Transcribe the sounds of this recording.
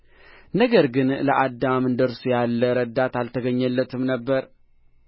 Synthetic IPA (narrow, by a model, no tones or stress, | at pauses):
nəɡəɾɡɨnlə̰ʔad̪ːamɨnd̪əɾsujalːəɾəd̪at̪alt̪ʰəɡəɲːəlːət̪ʰɨmnəbːəɾ